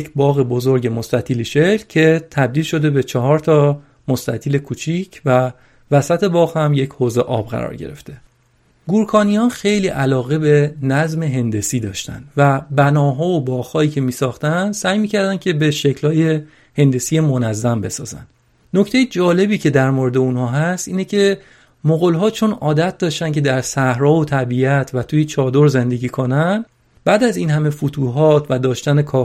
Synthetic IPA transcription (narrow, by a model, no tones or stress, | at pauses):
jecbɒːɣebo̞zo̞ɾɟe̞mo̞st̪æt̪ʰiːliʃe̞clcʰe̞t̪ʰæb̚d̪iːlʃo̞d̪e̞be̞t͡ʃʰɒɦɒːɾt̪ʰɒː | most̪æt̪ʰiːlekʰuːt͡ʃʰiːcʰvæ | væsæt̪ʰe̞bɒːɣhæmjechoːze̞ʔɒ̰ːbɣæ̰ɾɒ̰ːɾɟe̞̰ɾe̞̰ft̪ʰe̞ | ɡuɾkʰɒːnijɒnxe̞jliːʔælɒːɣe̞be̞næzme̞ɦe̞nd̪e̞siːd̪ɒːʃt̪æ̰nd̪̥væbænɒːɦɒːobɒːɣhɒːiːcʰe̞miːsɒːxt̪ænsæːjmiːcʰæɾd̪æncʰe̞beʃe̞cʰlhɒːje̞ | he̞nd̪esije̞monæzːæmbe̞sɒːzæ̰nd̥̪ | no̞ct̪ʰejed͡ʒɒːle̞biːcʰe̞d̪æɾmoɾed̪eunhɒːɦæst̪iːnecʰe̞ | moɣolɦɒːt͡ʃʰo̞nɒːd̪æt̪̚d̪ɒːʃt̪ænkcʰe̞d̪æɾsæhɾɒːvot̪ʰæbiæt̪ʰvæt̪ʰuːjet͡ʃʰɒːd̪oɾze̞nd̪e̞ɟiːkʰo̞næn | bæːd̪æziːnhæme̞fut̪ʰuːɦɒːt̪ʰvæd̪ɒːʃt̪æne̞kʰɒː